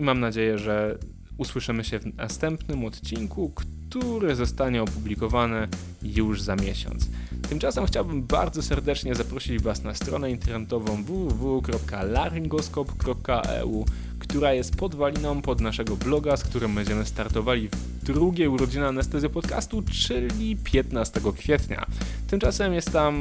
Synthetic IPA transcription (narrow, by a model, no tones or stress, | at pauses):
imamnad͡ʑejɛʐɛ | uswɘʂɘmɘɕɛvna̰st̪ɛmpnɘmɔt̪t͡ɕiŋkukt̪uɾɘzɔst̪aɲɛɔpublʲikɔvanɛ | juʐzamʲjɛɕɔ̰nt̪st̪ɘmt͡ʂasɛmxt͡ɕawbɘmba̰ɾd̪zɔsɛɾd̪ɛt͡ʂɲɛzapɾɔɕid͡ʑvasnast̪ɾɔ̰nɛint̪ɛɾnɛt̪ɔvɔ̃w̃vuvuvukɾɔp̚kalaɾiŋɡɔskɔpkɾɔp̚kaʔɛ̰u | kt̪uɾajɛst̪̚pɔd̪valʲinɔ̃w̃pɔd̪naʂɛɡɔblɔɡaskt̪uɾɘmbɛɲd͡ʑɛmɘst̪aɾt̪ɔvalʲiv | d̪ɾuɡʲjejuɾɔd͡ʑinɛanɛst̪ɛzjɛpɔt̪ka̰st̪ut͡ʂɘlʲipʲjɛt̪nast̪ɛɡɔkfʲjɛt̪ɲa̰t̪ɘmt͡ʂasɛmjɛst̪t̪ːam